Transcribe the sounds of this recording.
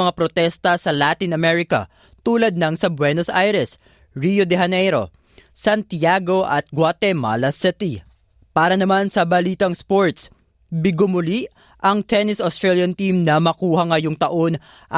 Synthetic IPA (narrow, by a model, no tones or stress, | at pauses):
ɐŋapɾot̪ɛst̪ɐsɐlaːt̪inɐmɛɹɪkɐ̰ | t̪uːlɐd̪̚nɐŋsɐbwɛnosʔajɾɛs | ɹijod̪ɛɦɐnɛjɾo̞̰ | sɐnt̪jaɡo̞ʔɐ̰t̪̚ɡwat̪ɛma̰lɐsɪt̪i | paːɾɐnɐmansɐbɐliːt̪ɐŋspo̞ɹt̪s | bɪɡʊmʊliʔ | ʔɐŋt̪ɛnɪsost̪ɹɛljɐnt̪imnɐmɐkuːhɐŋɐjoŋt̪ɐʔo̞n | ʔ